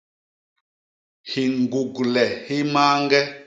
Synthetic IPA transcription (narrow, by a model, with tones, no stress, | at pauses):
hi˨ŋ˨ɡu˨ɡlɛ˨hi˦ma˦ŋɡɛ˦